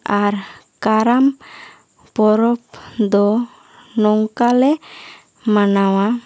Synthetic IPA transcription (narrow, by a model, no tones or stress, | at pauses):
aɾ | kaɾam | pɔɾɔpd̪ɔ | nɔŋkalɛ | manawa